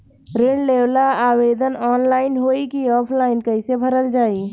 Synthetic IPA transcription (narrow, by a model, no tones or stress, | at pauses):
ɾɪɽleːwlaaːweːd̪ʱənɔːnlaːɪnɦoːikiɔːpʰlaːɪnkɐɪsebʱɐɾəld͡ʒaːi